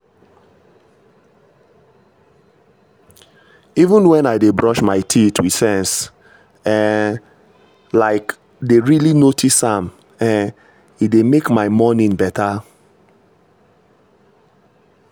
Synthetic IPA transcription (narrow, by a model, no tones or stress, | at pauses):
ivə̃nwɛ̃naɪdebɹɔʃmaɪtʰitʰwi̥sɛ̃ns | ɛ | laɪk | deɹilinotʰisãm | ɛ̃n | idemekmaɪmɔnĩŋbɛtʰa